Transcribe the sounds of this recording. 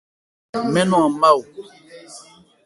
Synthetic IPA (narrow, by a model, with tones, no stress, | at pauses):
mɛ̃˦nɔ̃˨ã˨ma˦˨wu˨